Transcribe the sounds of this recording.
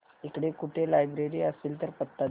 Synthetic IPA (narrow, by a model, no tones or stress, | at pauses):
ekɽekuʈʰelajbɾeɾiːəseːlt̪əɾpət̪ːa